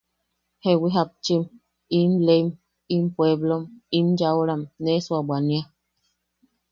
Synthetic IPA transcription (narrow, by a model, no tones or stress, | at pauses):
hewiɦap̚t͡ʃim | imlem | impweβlomimd͡ʒaoɾamneswabwania